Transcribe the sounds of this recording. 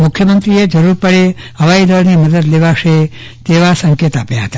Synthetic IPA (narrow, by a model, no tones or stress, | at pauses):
mʊkʰjəmənt̪ɾied͡ʒəɾuɾpəɽeɦəʋajd̪əɾniməd̪əd̪leʋaʃe | t̪eʋasəŋket̪apjaɦət̪a